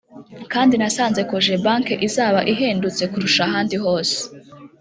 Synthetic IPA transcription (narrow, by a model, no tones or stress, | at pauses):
kaːndinasaːnze̞koʒebaːŋkeʔizaːβaʔiɦeːndut͡se̞kuɾuʃaɦaːndiɦo̞ːse̥